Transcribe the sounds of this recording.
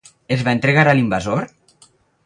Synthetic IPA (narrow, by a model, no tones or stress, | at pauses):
ezβaent̪ɾeɣaɾalimbazoɾ